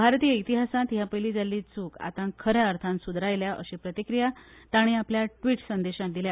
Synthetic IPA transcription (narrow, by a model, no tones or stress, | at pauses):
bʱaɾt̪iːəit̪iɦasãt̪ɦjapəjliːd͡zalːiːt͡suːka̰t̪ãkʰəɾjaəɾt̪ʰãnsud̪ɾajljaʔəɕipɾət̪ikɾijat̪aɽ̃iapljaʈʋiːʈsənd̪eɕãt̪̚d̪ilja